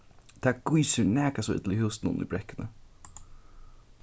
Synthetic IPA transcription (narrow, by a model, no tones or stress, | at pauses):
t̪ʰaːɡujsɪnɛːkasɔɪ̰t̪lɪhɪːsnʊ̰nḭbɾɛkːɪnə̰